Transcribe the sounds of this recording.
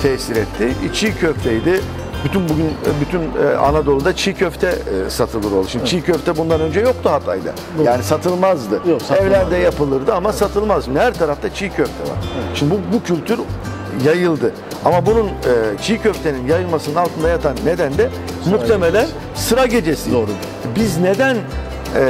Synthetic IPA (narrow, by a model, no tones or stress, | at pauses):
t̪ʰɛsiɾɛt̪ʰːɪit͡ʃʰijcʰøft̪ʰɛjd̪ɪ | b̥yt̪ʰynbuɟʲynbyt̪ʰyna̰nad̪o̞lˠud̪at͡ʃʰijcʰøft̪ʰɛsat̪ʰɯlˠɯɾo̞lˠuʃimd̪it͡ʃʰijcʰøft̪ʰɛbund̪anø̞nd͡ʒɛjo̞k̚t̪ʰuhat̪ʰa̰jd̪a̰ | jaːnisat̪ʰɯlˠmazd̪ɯɛvlʲænd̪ɛjapɯlˠɯɾd̪ɯamasat̪ʰɯlˠmazʃimnd̪ihæɾt̪ʰaɾaft̪ʰat͡ʃʰijcʰøft̪ʰɛ̰va̰ɾʃimd̪ɪbubucʰylʲt̪ʰyɾ | jajɯlˠd̪ɯ | amabununɯt͡ʃʰijcø̞ft̪ʰe̞ninjajɯlˠmasɯnɯnalˠt̪ʰɯnd̪ajat̪ʰanːe̞d̪ænd̪ɛ | mukt̪eme̞lʲæn | sɯɾaɟe̞d͡ʒesizoɾ | bizne̞d̪æn